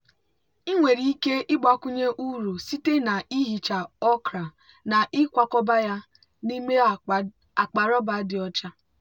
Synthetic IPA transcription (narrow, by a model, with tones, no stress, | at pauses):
i˦ŋʷe˨ɾi˨i˦ke˦ɪ˦ɡ͡ba˦ku˦ɲe˦ʔu˦ɾu˨si˦te˦na˨i˦ɦi˨t͡ʃa˨ɔ˦kɾa˨ | na˨ʔɪ˦kʷa˦kɔ˦ba˦ja˦ | ni˦me˦ | a˨k͡pa˨ɾɔ˦ba˨˦dɪ˨ɔ˦t͡ʃa˦